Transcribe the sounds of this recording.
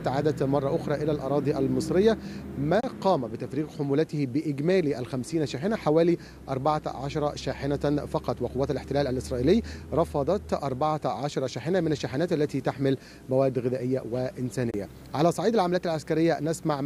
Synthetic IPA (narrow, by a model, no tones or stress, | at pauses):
t̪ʕaːd̪æt̪mɑrˤːɑʔʊxɾˤɑːʔɪlælʔɑ̰ɾˤɑːd̪ˤiʔælmɨsˤɾɪjːamæːqɑːmæbɪt̪æfɾiːɣħʊmuːlæt̪ɪhbɪʔɪɡmæːliʔælxæmsiːnʃaːħɪnæħawæːli | ʔɑɾˤbaʕaʕaʃɑɾˤɑʃaːħɪnæfɑqɑt̪ˤwɪqowæːt̪ælɪħt̪ɪlæːlælʔɪsɾˤɑːʔiːlɪjːɾˤɑfɑd̪ˤɑt̪ʔɑɾˤbɑʕaʕaʃɑɾˤɑʃaːħɪnæmɪnæʃːaːħɪnæːt̪ʔælːæt̪iːt̪aħmɪl | mæwæːd̪ɣɪðæːʔɪjːæwæʔɪnsæːnɪjːæ̰ | ʕalæːsˤɑʕiːd̪alʕamælːt̪alʕaskæɾɪjːænæsmaʕ